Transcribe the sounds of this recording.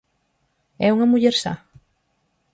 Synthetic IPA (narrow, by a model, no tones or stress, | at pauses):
ɛuŋamuʎeɾsa̰